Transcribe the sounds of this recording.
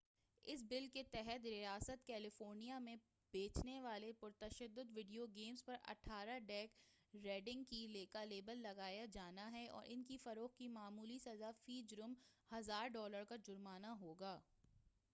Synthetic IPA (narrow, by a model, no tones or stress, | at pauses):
ɪs̬bɪlket̪ɛɦɛt̪ɾijaːsət̪kɛːlɪfoːɾnijamẽ | b̥eːt͡ʃneʋaːlepʊɾt̪ɐʃəd̪ːʊd̪ʋɪɖijoɡeːmspɐɾɐ̰ʈʰaːɾaɖɛːk | ɾeːɖɪ̃ŋɡkileːkaleːbəlːɐɡaːjad͡ʒaːnaɦɛʔɔ̰ːɾʔɪnkifɐɾoːxkimaːmuːlisɐzafiːd͡ʒɾʊmhɐzaːɾɖɔːləɾkad͡ʒʊɾmaːnaɦoːɡaː